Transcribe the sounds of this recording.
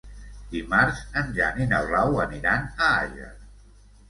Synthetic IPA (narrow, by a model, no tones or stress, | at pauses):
d̪imaɾzənʒaninəwrawəniɾanəa̰ʒə̰